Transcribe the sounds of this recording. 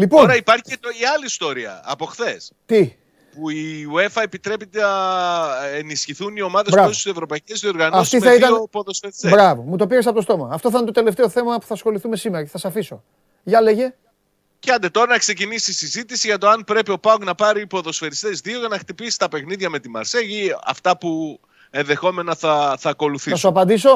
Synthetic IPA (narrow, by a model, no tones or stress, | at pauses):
lipooɾɐipɐɾçiɐlist̪o̞ɾiɐ̰ːpo̞xθe̞st̪i | puiue̞fɐepit̪ɾe̞pit̪enɐ | enisçiθunio̞mɐðesbɾɐesssevɾo̞pɐicezðio̞ɾɣɐnoɐsft̪iθɐit̪ɐpoðosfeɾisebɾɐvomut̪o̞piɾesɐpot̪ost̪o̞mɐːft̪o̞θɐɐnt̪ot̪e̞left̪e̞oθe̞mɐpu̥θɐsxo̞liθume̞simeɾɐceθɐsɐfiso̞ | ʝɐleʝe̞ | ceɐnd̪e̞t̪o̞ɾɐnɐkse̞cinisisizit̪isiʝɐt̪o̞ɐnpɾe̞pio̞pɐŋknɐpɐɾiːpo̞ðo̞sfe̞ɾist̪e̞zðioʝɐnɐxt̪ipisi̥t̪ɐpe̞xniðʝɐme̞t̪imɐ̰ɾseʝiɐ̰ft̪ɐpu | e̞nðe̞xo̞me̞nɐθɐθɐːko̞luθiɐsoɐpɐnd̪iso̞